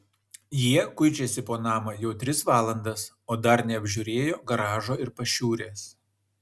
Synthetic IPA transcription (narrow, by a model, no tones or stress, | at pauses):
jiɛkʊɪt͡ʃʲɛsʲɪpoːnɑːmɐjɛʊt̪ʲɾʲɪsʋɑːlˠɐnd̪ɐs | oːd̪ɐɾnʲɛɐbʲʒʲʊːɾʲeːjoːɡɐɾɑːʒoːɪɾpɐʃʲuːɾʲeːs